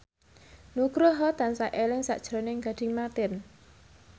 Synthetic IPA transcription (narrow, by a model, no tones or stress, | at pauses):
nuɡ̥ɾoɦɔt̪ansaʔelɪŋsa̰ʔd̥ʒ̥ɾonɪŋɡa̤d̪̥i̤ŋmat̪ɪn